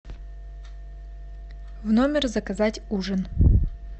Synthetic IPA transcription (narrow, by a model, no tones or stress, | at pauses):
vnomʲɪrzɐkɐzatʲuʐən